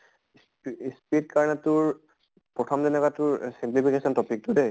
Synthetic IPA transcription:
s | spit̚kaɹnatʊɹ | pɹɔtʰɔmzɛnɛkatʊɹsimplipʰikesɔntɔpʰik̚tude

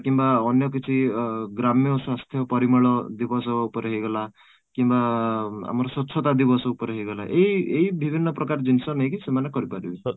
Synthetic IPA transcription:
kimbaɔnjɔk̬it͡ʃʰiɡɾamjɔswast̪ʰjɔpɔɾimɔɭɔd̪ibɔsɔupɔɾeɦeɡɔla | kimbaa̰mɔɾɔsɔt͡ʃʰɔt̪ad̪ibɔsɔupɔɾeɦeɡɔla̰ʔeieɦibʱibʱinːɔpɾɔkaɾd͡ʒinisɔnejkisemanekɔɾipaɾibi

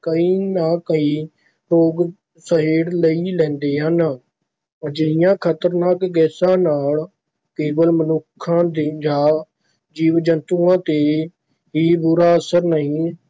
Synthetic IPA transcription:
kəiːnãːkəiː | ɾoːɡ | səɦeːɽləiːlɛ̃ːnd̪eːɦən | d͡ʒɪɪjãːkʰət̪əɾnaːkɡɛːsãːnaːl | keːbəlmənʊkʰːãːd̪id͡ʒaː | d͡ʒiːʋd͡ʒənt̪uːãːt̪eː | ɦiːbuːɾaːəsəɾnəɦĩː

